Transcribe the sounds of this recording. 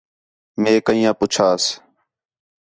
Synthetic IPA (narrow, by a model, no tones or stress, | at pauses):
mẽːkəĩːjãːpʊt͡ʃʰaːs